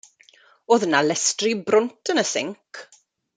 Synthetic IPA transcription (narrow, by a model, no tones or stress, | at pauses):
oːðənalɛstribrʊntʰənəsɪ̰ŋkʰ